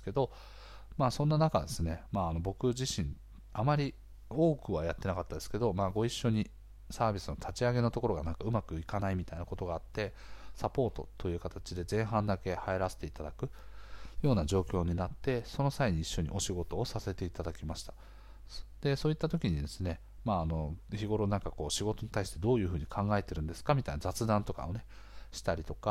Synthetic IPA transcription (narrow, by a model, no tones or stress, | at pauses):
ke̞d̪o̞ | maːsõ̞nːanakad̪e̞sɨne̞maːno̞bo̞kɯ̟ʑiɕĩɴ | amaɾʲi | o̞ːkɯ̟βajat̪ːe̞nakat̪ːad̪e̞sɨ̥ke̞d̪o̞maːɡo̞iɕːo̞ɲ̟i | saːbʲisɨno̞t̪ʰat͡ɕiaɡe̞no̞t̪o̞ko̞ɾo̞ɡanãŋkaɯ̟makɯ̟ikanaimʲit̪ainako̞t̪o̞ɡaːt̪ːe̞sapo̞ːt̪o̞t̪ʰːo̞jɯ̟ːkat̪at͡ɕid̪e̞zẽ̞ɰ̃ɦãnd̪ake̞haeɾase̥t̪e̞it̪ad̪akɯ̟jo̞ːnad͡ʑo̞ːkʲo̞ːɲ̟inat̪ːe̞so̞no̞saiɲ̟iːɕːo̞ɲ̟ḭʔo̞ɕiɡo̞t̪o̞ːsase̞t̪e̞it̪ad̪akʲimaɕi̥t̪ḁ | d̪̥e̞so̞ːit̪ːat̪o̞kʲiɲ̟id̪e̞sɨne̞ | maːno̞çiɡo̞ɾo̞nãŋkako̞ːɕiɡo̞t̪o̞ɲ̟i̥t̪aiɕi̥t̪e̞d̪o̞ːjɯ̟ːɸɯ̟ːɲ̟ikʰãŋɡae̞t̪e̞ɾɯ̟nd̪e̞sɨ̥kamʲit̪ainazat͡sɨd̪ãnt̪o̞ka̰one̞ | ɕi̥t̪aɾʲit̪o̞ka